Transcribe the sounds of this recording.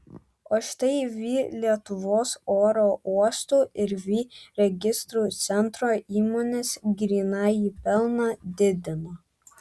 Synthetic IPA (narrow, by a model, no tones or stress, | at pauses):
oːʃt̪ɐɪʋʲiːlʲiɛt̪ʊʋoːsoːɾoːʔuɔst̪uːɪɾʋʲiːɾʲɛɡʲɪst̪ɾuːt̪sʲɛnt̪ɾoːiːmoːnʲeːsɡɾʲiːnɑːjiːpʲɛlˠnɑd̪ʲɪd̪ʲɪnoː